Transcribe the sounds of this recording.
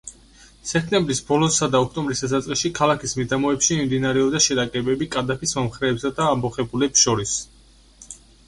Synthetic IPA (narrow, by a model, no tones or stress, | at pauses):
sɛkʰt̪ʼɛmbɾisbɔlˠɔsad̪aɔkʰt̪ʼɔmbɾisd̪̥asat̪sʼqʼiʃikʰalˠakʰismid̪amɔɛpʃimimd̪inaɾɛɔbd̪aʃɛɾakʼɛbɛbikʼad̪apʰismɔmχɾɛːpsad̪aːmɔχɛbulɛpsʃɔɾis